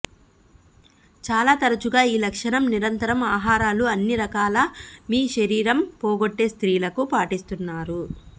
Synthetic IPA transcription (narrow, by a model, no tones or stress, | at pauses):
t͡ʃaːlaːt̪ɐɾɐt͡ʃuɡaːiːlɐkʂɐɳɐmniɾɐnt̪ɐɾɐmaːɦaːɾaːluɐnːiɾɐkaːlɐmiːʃɐɾiːɾɐmpɔːɡoʈːe̞ːst̪ɾiːlɐkupaːʈist̪unːaːɾu